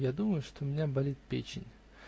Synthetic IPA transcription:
jad̪uməjʊʂt̪omʲɪnʲabɐlʲit̪̚pʲḛt͡ɕɪ̰nʲ

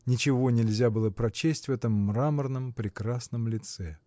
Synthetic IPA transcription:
nʲɪt͡ɕɪvo̞nʲɪlʲzʲabɨlˠəpɾɐt͡ɕesʲtʲvɛt̪əmːramərnəmpɾʲɪkɾasnəmlʲɪt̪sɛ

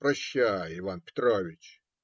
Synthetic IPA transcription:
pɾɐɕːajəɪvanpʲɪ̥t̪ɾovʲɪt͡ɕ

